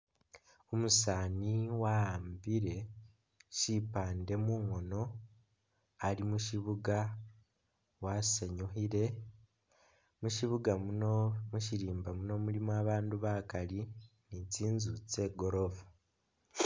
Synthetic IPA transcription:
omusaːniwaaːmbiɾe̞ | ʃipaːnde̞muːŋo̞no̞ | alimuʃiβuɡa | waseɲoɦiɾe̞ | muʃiβuɡa | muʃiɾiːmbamuno̞mulimwaβaːnduβakali | niciːnzut͡se̞ːɡo̞ɾo̞vu̥

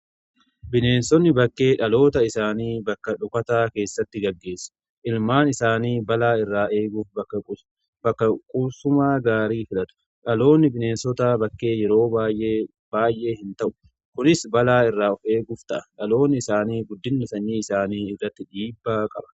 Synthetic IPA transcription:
bɪne̞ːnsɔnːɪbɐkːe̞ːᶑɐlo̞ːt̪ɐɪsaːniːbɐkːɐᶑʊkɐt̪aːke̞ːsːɐt̪ːɪɡɐɡːe̞ːsːɐ̥ | ʔɪlmaːnɪsaːniːbɐlaːɪrːaːe̞ːɡʊfbɐɐ | bɐkːɐkʼʊbsʊmaːɡaːɾiːfɪlɐt̪ʊ̥ | ᶑɐlo̞ːnːɪbɪne̞ːnsɔt̪aːbɐkːe̞ːjɛɾo̞ːbaːjʔe | baːjʔe̞ːhɪnt̪ɐʔʊ̥ | kʊnɪsbɐlaːɪrːaːɔfe̞ːɡʊft̪ɐʔɐ̥ᶑɐlo̞ːnːɪɪsaːniːɡʊd̪ːɪnːɪsɐɲːiːɪsaːniːɪrːɐt̪ːɪᶑiːbːaːkʼɐ̰bɐ̥

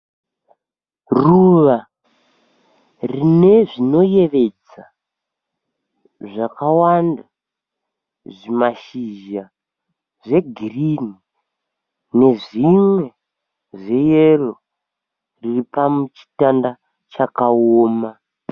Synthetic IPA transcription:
ruʋa | rine̞ʐino̞je̞ʋe̞d͡z | a | ʐakawanda | ʐimaʃiʒa | ʐe̞ɡʱirini | ne̞ʐimwe̞ | ʐe̞jero | riripamut͡ʃi̥tanda | t͡ʃakaoːma

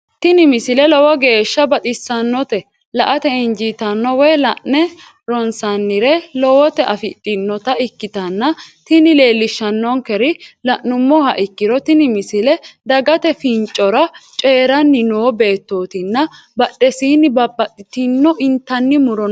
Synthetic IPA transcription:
t̪ɪnɪmɪsɪlɛlɔwɐɡe̞ːʃːɐbɐt̪ʼɪsːɐnːɔt̪ɛ | lɐʔɐt̪ɛɪnd͡ʒiːt̪ɐnːɔwɛlɐʔːɛ | ɾɔnsɐnːɪɾɛlɔwɔt̪ɛʔɐfɪt̪ʼːɪnːɔt̪ɐɪkːɪt̪ɐnːɐt̪ɪnɪle̞ːlːɪʃːɐnːɔŋkɛɾɪlɐʔːʊmːɔhɐʔɪkːɪɾɔt̪ɪnɪmɪsɪlɛd̪ɐɡɐt̪ɛfɪnt͡ʃʼɔɾɐt͡ʃʼeːɾɐnːɪnoːbe̞ːt̪ːo̞ːt̪ɪnːɐ | bɐɗːɛsiːnːɪbɐbːɐt̪ʼːɪt̪ɪnːɔʔɪnt̪ːɐnːɪmʊɾɔn

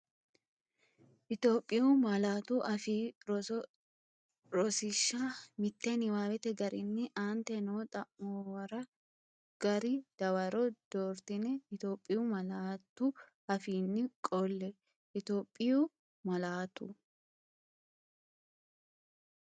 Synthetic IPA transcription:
ʔɪt̪o̞ːpʼːɪjʊmɐlaːt̪uʔɐfiːɾɔ | ɾɔsɪʃːamɪt̪ːɛnɪwaːbɛt̪ɛɡɐɾɪnːɪʔaːnt̪ɛnoːt̪ʼɐʔːoːwɐɾɐ | ɡ̥ɐɾɪd̪̥ɐwɐɾɔd̪̥oːɾt̪ɪnɛɪt̪jo̞ːpʼːɪjumɐlaːt̪ːʊ | ɐfiːnːɪkʼɔlːɛ | ʔɪt̪o̞ːpʼːɪju | mɐlaːt̪ʊ

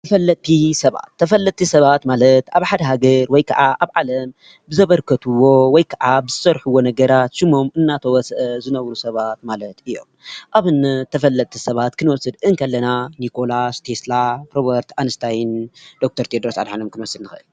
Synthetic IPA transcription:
t̪ʰɐfɐlːɐt̪ʰːisɐβa̰t̪ʰːɐfɐlːɐt̪ʰːisɐβat̪malɐt̪aβħad̪ɐɦaɡɐɾwɔjkʰɐʕaʔaβʕalɐm | bɨzɐβɐɾkʰɐt̪ʰuwo̞wɔjkʰɐʕabɨzɨsɐɾħuwo̞nɐɡɐɾat̪ʃɨmo̞mɨnːat̪ʰɐwɔsʔɐzɨnɐβɾusɐβat̪̚malɐt̪ɨjːo̞̰mʔaβɨnt̪ʰɐfɐlːɐt̪t̪ʰisɐβat̪kʰɨnwɔsɨd̪ɨŋkʰɐlːɐnanikʰo̞last̪ʰeslapɾobɐɾt̪anɨst̪ʰajnd̪ok̚t̪ʰɐɾt̪ʰed̪ɾosa̰d̪ħanomkʰɨnwɔsːɨdnɨxɨʔɨl

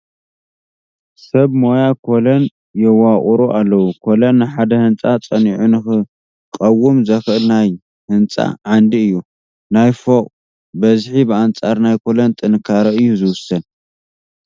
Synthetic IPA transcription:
sɐβmo̞jakʰo̞lɐn | jɛwaχʼuɾuʔalːɐwukʰo̞lɐnːɨħad̪ɐhɨnt͡sʼat͡sʼɐniʕunɨxɨ | kʼɐwːumzɐxʔɨlnaj | hɨnt͡sʼa̰ʕand̪iɨjːu | najfokʼ | bɐzħibɨant͡sʼaɾnajkʰo̞lɐnt̪ʼɨnkʰaɾɐɨjːuzɨwʊsɐn

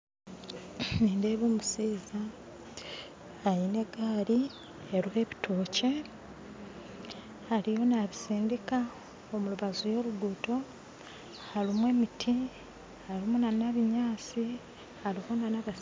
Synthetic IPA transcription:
niːndeːβumusiːza | ine̞ɡaːɾi | eɾuhe̞βitʰoːce̞ | haɾijo̞naβisiːndika | omuluβazujo̞ɾuɡuːto̞ | halimwe̞ːmitʰi | haɾimunanaβiɲaːt͡si | haɾiho̞nanaβa

